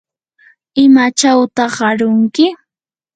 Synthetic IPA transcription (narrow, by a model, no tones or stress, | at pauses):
ɪmat͡ʃawt̪ɑχɑɾʊŋkɪ